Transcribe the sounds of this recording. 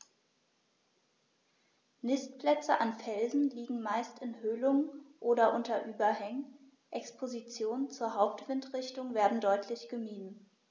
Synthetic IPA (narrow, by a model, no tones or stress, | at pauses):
nɪstpl̥ɛt͡səʔanfɛlzn̩liːɡŋ̩maɪstɪnhøːlʊŋʔoːɾɐʔʊntɐʔyːbɐhɛŋən | ʔɛkspʰozit͡sjoːnnt͡suːɐɦaʊp̚tv̥ɪntʁɪçtʊŋveːɐdn̩dɔʏtʰlɪçɡ̥əmiːdn̩